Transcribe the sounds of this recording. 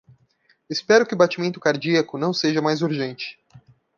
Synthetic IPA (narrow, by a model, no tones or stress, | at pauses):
espɛɾʊkɪʊbat͡ʃimẽnt̪ʊ̥kaɾd͡ʒiɐkʊnɐ̃w̃seʒɐmajzuɾʒẽnt͡ʃɪ̥